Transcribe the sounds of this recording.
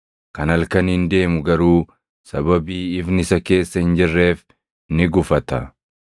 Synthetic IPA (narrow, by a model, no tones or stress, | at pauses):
kɐnɐlkɐnhɪnd̪e̞ːmʊɡɐɾuː | sɐbɐbiːɪfnɪsɐke̞ːsːɐhɪnd͡ʒɪrːe̞ːf | nɪɡʊfɐt̪ɐ̰